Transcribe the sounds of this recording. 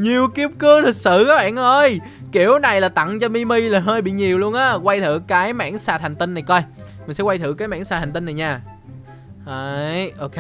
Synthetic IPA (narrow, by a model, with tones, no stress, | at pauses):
ɲi˨˩əwki˦˥əp̚kɨ˨˦t̪ʰi˨˩k̚sɨ̰˧˨kɔ˨˦ɓa̰ː˧˨nʔəː˧j | ki˧˩əwna˨˩jlaː˨˩t̪a̰˧˨ŋt͡ɕɔ˧mi˧mi˧laː˨˩ɦəː˧jɓḭ˧˨ɲi˨˩əwlu˧ənʔaː˨˦kwa˧jt̪ʰɨ̰˧˨kaː˨˦jma̰ː˧˥nsaː˨˩t̚hŋ̟t̪i˧nːa˨˩jkɔ˧jmï̟˨˩sɛ̰˧˥kwa˧jt̪ʰɨ̰˧˨kaː˨˦jma̰ː˧˥nsaː˨˩hŋ̟t̪i˧na˨˩jɲaː˧˩ | ʔa˨˧jʔo˧ke˧